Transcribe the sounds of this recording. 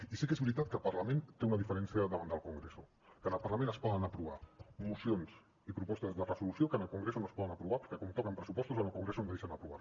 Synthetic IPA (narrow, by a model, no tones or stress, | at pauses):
isikezβɾit̪at̪̚kəlpɐɾləmẽnt̪eunəðifəɾɛnsiəðəβand̪əlˠkuŋɡɾesṵ | kənəlˠpəɾləmẽnəspɔðənəpɾuβ̞a̰musionsz | ipɾupɔst̪əzðərəzulusiokənəlˠkuŋɡɾesunospɔðənəpɾuβapəɾkɛkɔmt̪ɔkəmpɾəsupɔst̪uzənəlˠkuŋɡɾesonðejʃənəpɾuβa̰